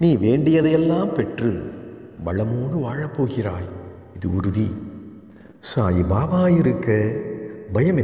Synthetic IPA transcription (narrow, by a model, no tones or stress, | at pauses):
niːʋeːɳɖɪjɐðɐjɛlːaːmpɛʈrɯ | ʋɐɻɐmoːɽɯʋaːɻɐpːoːɣɪraːj | ɪðɯ̰ʊɾɯði | saːjibaːʋaːjɪɾɯkːɐ | bɐjɐmɛ